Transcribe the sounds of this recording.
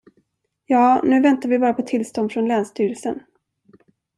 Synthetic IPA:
jɑːnʉ̟ːvɛnt̪aɾvɪbɑːɾapʰɔt̪ʰɪlst̪ɔnd̪fɾɔnlɛːnst̪ʰyːɾəlsən

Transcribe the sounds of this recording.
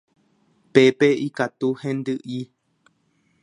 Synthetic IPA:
pɛpeikat̪uhɛ̃ndɨʔi

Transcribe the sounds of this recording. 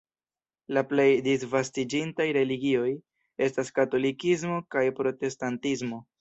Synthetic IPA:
laple̞jdisvastid͡ʒintajɾe̞liɡio̞j | e̞staskato̞likizmo̞kajpɾo̞te̞stantizmo̞

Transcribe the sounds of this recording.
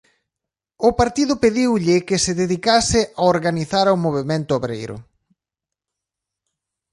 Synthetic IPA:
ʊpaɾt̪iðʊpeðiwʎɪkɪsɪðeðikasɪʔaoɾɣaniθaɾaomoβ̞emẽnt̪ʊoβɾḛjɾʊ̰

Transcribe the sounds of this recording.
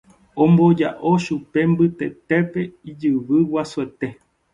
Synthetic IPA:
õmbod͡ʒa̰ʔo̞ʃupe̞mbɨt̪e̞t̪epe̞id͡ʒɨʋɨwasuet̪e̞

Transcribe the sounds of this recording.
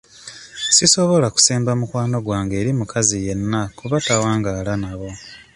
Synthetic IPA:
siso̞βo̞laku̥seːmbamukwaːno̞ɡwaːŋɡe̞ːɾimukazije̞nːakuβatawaːŋɡaːlanaβo̞

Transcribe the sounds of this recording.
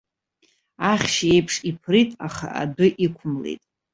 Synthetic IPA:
aχʲʃe̞jpʰʂipʰritʼaχa̰ʔa̰dʊʔikʷʰʊmlḛtʼ

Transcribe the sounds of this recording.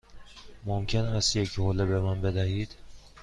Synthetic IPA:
momcʲʰenæsjecʰholebemænbed̪æhiːd̪̥

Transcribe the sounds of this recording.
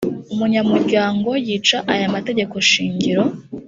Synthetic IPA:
umuɲamuɾɟaːŋɡo̞jiːt͡ʃaʔajamate̞ɟe̞ko̞ʃiːɲɟiɾo̞

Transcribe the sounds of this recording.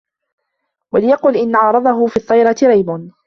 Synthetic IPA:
walɪjɑqʊlʔɪnːaʕɑːɾˤɑd̪ˤɑɦʊfiːt̪ˤːɑjɾˤɑt̪ɪɾɑjbʊn

